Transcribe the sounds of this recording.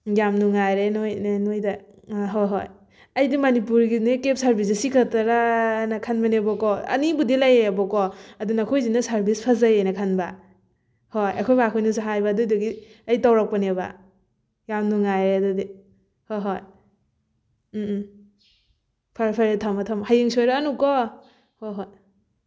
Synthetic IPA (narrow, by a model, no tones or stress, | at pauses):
ɡamnuŋajɾenojnnojda | ɦɔjɦo̰j | ɐjdimɐnipuɾɡinekep̚saɾbis̬isikʰataɾanakʰanbanebɔkɔɐ̰nibudilajeabɔkɔɐdunakʰojzinasaɾbispʰazajenakʰanba | hojɐkʰɔjbakʰɔjnusaɦajbadujdɔɡiajtawɾak̚paneba̰ | jamnuŋajɾeadɔdi | hojɦɔj | pʰaɾpʰaɾetʰamatʰamhajeŋsojɾaːnukɔ | hojɦɔj